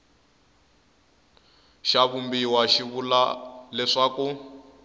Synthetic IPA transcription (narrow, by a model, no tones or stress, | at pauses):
ʃaβumbiwaʃiβula̰lɛʂaku